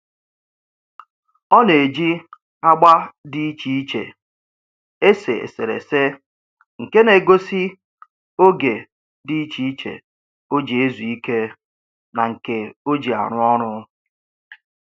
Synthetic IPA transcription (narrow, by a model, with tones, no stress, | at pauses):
ɔ˦ne˨d͡ʒi˦ | a˦ɡ͡ba˦di˦i˦t͡ʃi˦i˦t͡ʃḛ˨ | e˦sḛ˨ḛ˨sḛ˨ɾḛ˨se˦ | ŋ̩˨ke˦ne˨ɡo˦si˦ | o˦ɡe˨ | di˦i˦t͡ʃi˦i˦t͡ʃḛ˨ | o˦d͡ʒi˨e˦zu˨i˦ke˦ | na˨ŋ̩˨ke˦o˦d͡ʒi˨a̰˨ɾʊ˦ɔ˦ɾʊ˦